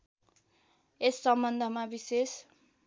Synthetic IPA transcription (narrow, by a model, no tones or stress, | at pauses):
esːʌmbʌnd̪ʱʌmabises